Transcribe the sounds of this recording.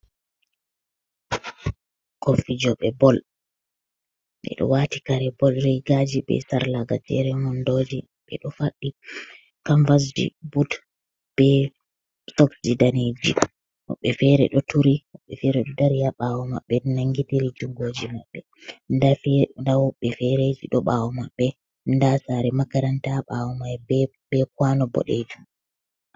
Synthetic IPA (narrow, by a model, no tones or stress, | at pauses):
kofid͡ʒɔɓɛbɔl | ɓɛ̰ɗɔ̰waːti̥kaɾɛbɔlɾɛjɡad͡ʒibɛ̰saɾlaɡad͡ʒɛ̰ɾɛmɔndod͡ʒi | ɓɛ̰ɗɔfaɗːi | kaɱvas̬d͡ʒḭbud | b̥ɛ | sɔkd͡ʒidaned͡ʒḭ | wɔ̰ɓːɛfɛɾɛ̰ɗɔtʰuɾiwɔɓɛfɛɾɛɗɔdaɾijaɓawɔma̰ɓːɛnaŋɡitiɾid͡ʒuŋɡod͡ʒimaɓːɛ | ndandawɓɛfɛɾed͡ʒiɗɔɓawɔmaɓːɛ | ndasaɾɛmakaɾantaɓawɔmaj | bɛk̚wanɔbɔ̰ɗed͡ʒum